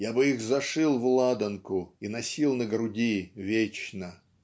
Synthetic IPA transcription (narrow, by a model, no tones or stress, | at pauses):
jabɨixzɐʂɨlˠvlˠad̪ənkʊinɐsʲilˠnəɡɾʊdʲivʲet͡ɕnə